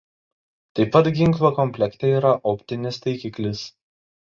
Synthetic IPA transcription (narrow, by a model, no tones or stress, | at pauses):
t̪ɐɪpːɐt̪ɡʲɪŋˑklˠokɔmʲpʲlʲɛkt̪ʲɛiːɾɐʔɔpʲt̪ʲɪnʲɪst̪ɐɪkʲiklʲɪs